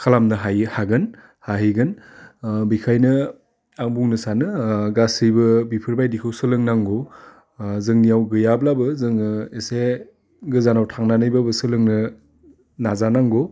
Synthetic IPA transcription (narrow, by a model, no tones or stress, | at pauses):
kʰalamnɯɦajhaɡɯn | haɦiɡɯn | bikʰajnɯ | aŋbuŋnɯsanɯɡasijbɯbipʰɯɾbajdikʰɯwsɯlɯŋnaŋɡo | zɯŋnijawɡɯjablabɯzɯŋɯese | ɡɯzanawtʰaŋnanɯjbabɯsɯlɯŋnɯ | nazanaŋɡo